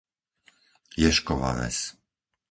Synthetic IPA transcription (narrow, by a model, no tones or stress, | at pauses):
jɛʃkɔʋa̰ʋɛ̰s